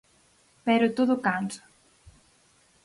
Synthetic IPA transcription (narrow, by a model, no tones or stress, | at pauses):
pɛɾʊt̪oðʊkansḁ